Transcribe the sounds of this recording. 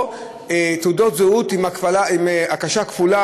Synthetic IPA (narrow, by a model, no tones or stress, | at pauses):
et̪udo̞t̪zeut̪imakfalaimeakaʃakfula